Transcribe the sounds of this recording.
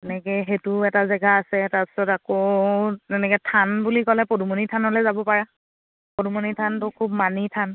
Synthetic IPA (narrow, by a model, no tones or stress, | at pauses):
ɛnɛkɛɦetuɛtazɛɡaːsɛtaɹpi̥sɔtakotɛnɛkɛtʰanbulikɔlɛpodumonitʰanolɛzabɔpaɹa | podumonitʰantʊkʰubmanitʰan